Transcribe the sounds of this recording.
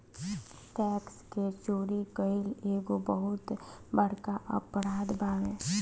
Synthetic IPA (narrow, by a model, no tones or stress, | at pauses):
ʈɛːksket͡ʃoːɾikəɪleːɡobəɦʊt̪bəɽkaʔəpɾaːd̪baːɽẽː